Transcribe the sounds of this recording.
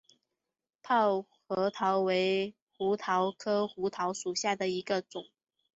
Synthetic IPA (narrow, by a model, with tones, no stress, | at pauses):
pʰɑ˥˩ʊxɤ˧˥t̪ʰɑ˧˥ʊwe˧˥ɪ | xu˧˥t̪ʰɑ˧˥ʊkʰɤ˥xu˧˥t̪ʰɑ˧˥ʊʂu˨˩ɕja˥˩d̪ə˩i˧˥ɡə˧t͡sʊ˨˩˦ŋ